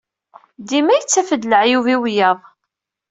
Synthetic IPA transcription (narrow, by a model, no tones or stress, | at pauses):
d̪imæjt͡sːæfəd̪ləʕjuviwjɑðˤ